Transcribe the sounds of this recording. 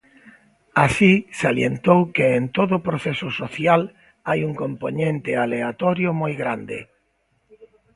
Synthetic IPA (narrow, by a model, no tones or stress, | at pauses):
asisaljent̪owkeːnt̪oðʊːpɾoθesʊsoθjal | ajuŋkõmponẽnt̪ɪaleat̪ɔɾjʊmojɣɾand̪ɪ̰